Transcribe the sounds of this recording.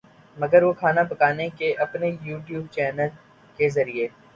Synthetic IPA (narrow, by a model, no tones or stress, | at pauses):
mɐɡəɾʋokʰaːnapɐkaːnekeʔɐpnejuːʈjuːb̚t͡ʃɛːnəl | kezɐɾie